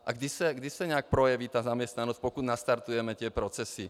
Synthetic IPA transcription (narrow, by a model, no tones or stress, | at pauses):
ʔaɡd̪isaɡd̪isaɲɛak̚pɾɔjaʋiːt̪aːzamjɛst̪nanɔsc̚pɔkud̪nast̪aɾt̪ujɛmɛt̪ɪɛpɾɔt͡sɛsi